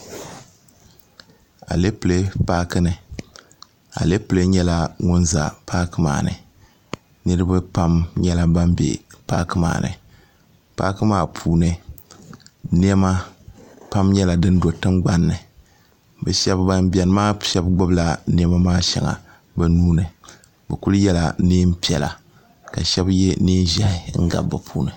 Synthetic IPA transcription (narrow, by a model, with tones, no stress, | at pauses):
a̰˨le˦pɨ˨le˦paː˦kɨ˦nɨ˨ | a̰˨le˦pɨ˨le˦ɲɛ˦la˦ŋʊ˦nza̰˨paː˦kɨ˦ma̰ː˨nɨ̰˨ | nɨ˦ɾɨ˦bɨ˦pa˦mɲɛ˦la˦ba˦mbḛ˨pa˦kɨ˦ma̰ː˨nɨ̰˨ | paː˦kɨ˦maː˦˨pʰuː˨nɨ˦ | ni˦ɛ˦ma˦ | pa˦mɲɛ˦la˨dɨ˦n˦do˨tɨ˦mɡ͡ba˦nːɨ˨ | bɨ˨ʃɛ˦bba˦mbi˨ɛ˨n˦maː˦ʃɛ˦bɡ͡bʊ˦bla˨ni˦ɛ˦ma˦maː˦ʃɛ̰˨ŋa̰˨ | bɛ˨nuː˦nɨ˨ | bɛ˨ku˦lɨ˦jɛ˦la˨neː˦m̩˦pi˦ɛ˨la̰˨ | ka˨ʃɛ˦bjɛ˦neː˦n˦ʒa˦ŋ̩˦ɡa̰˨bbːɨ˨pʰuː˦nɨ˨